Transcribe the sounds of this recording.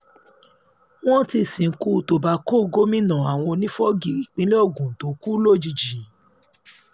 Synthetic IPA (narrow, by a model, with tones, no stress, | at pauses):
w̃ɔ̃˦ti˧˨sĩ˨˦ku˦˧˨to˨ba˨˦ko˦˨˧ɡo˦mĩ˦nã˨a˨w̃ɔ̃˧nĩ˦fɔ˦ɡi˨ɾi˨k͡pĩ˦le˦ɔ˦˨ɡũ˨to˨˦ku˦lo˦˨d͡ʒi˧d͡ʒi˨